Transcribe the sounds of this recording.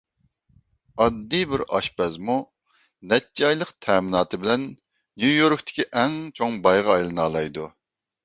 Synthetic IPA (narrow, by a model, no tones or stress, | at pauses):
ɑd̪ːibɪɾɑ̰ʃpɛzmu | nɛt̪̚d͡ʒɑjlˠəqt̪ʰɛːmɪnɑːt̪ʰɨbɪlɛnː | jujoɾkt̪ʰɪ̥kʲiʔɛŋt͡ʃʰoŋbɑjʁɑɑjlˠɨnɑːlˠɑjd̪u